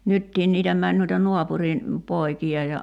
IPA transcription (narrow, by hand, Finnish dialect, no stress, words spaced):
nytːiːn niːtæ mæn nuitɑ nuɑpurin poikiɑ jɑ